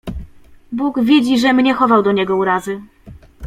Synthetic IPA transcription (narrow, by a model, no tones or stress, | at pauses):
buɡvʲjed͡ʑiʐɛmɲɛxɔvawd̪ɔɲɛɡɔuɾazɘ